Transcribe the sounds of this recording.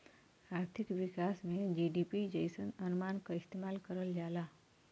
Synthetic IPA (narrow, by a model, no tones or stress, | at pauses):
aːɾt̪ʰɪkʋɪkaːsmẽd͡ʒiɖipid͡ʒəjsənənmaːnkaɪst̪emaːlkəɾəld͡ʒaːlaː